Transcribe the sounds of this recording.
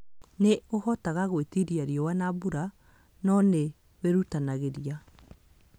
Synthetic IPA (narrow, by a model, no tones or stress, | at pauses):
neohɔtaɣaɣwetiɾiaɾiɔwanabuɾa | nɔne | weɾutanaɣeɾia